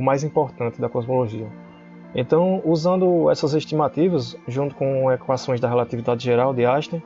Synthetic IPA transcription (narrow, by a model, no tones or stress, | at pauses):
majzĩpoɾt̪ɐ̃nt̪ɪd̪ɐkɔzmoloʒiɐ | ẽnt̪ɐ̃w̃uzɐ̃nd̪ʊɛ̰sɐzeʃt̪imat̪ivɐsʒũt̪ʊ̥kõekwasõj̃zd̪ɐɦelat̪ivid̪ad̪ɪʒeɾawd̪ɪaʃt̪ẽ